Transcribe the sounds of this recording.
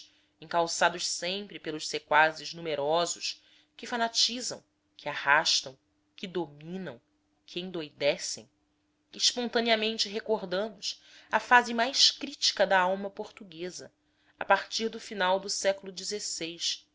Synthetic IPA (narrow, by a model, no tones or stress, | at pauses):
ẽŋkawsad̪ʊʃsẽmpɾɪpelˠʊʃsekwazɪʒnumeɾɔzʊʃ | kɪfanat͡ʃizɐ̰̃w̃ | kʰɪahaʃt̪ɐ̃w̃ | kɪd̪omĩnɐ̰̃w̃ | kʰɪẽd̪ojd̪ɛsḛ̃j̃ | iʃpõnt̪ɐ̃niɐmẽnt͡ʃɪɦekoɾd̪ɐ̃mʊsɐfazɪmajʃkɾit͡ʃi̥kɐd̪ɐawmɐpoɾt̪uɡezɐ | a̰paɾt͡ʃiɾd̪ʊfinawd̪ʊsɛkʊlʊd͡ʒizesejʃ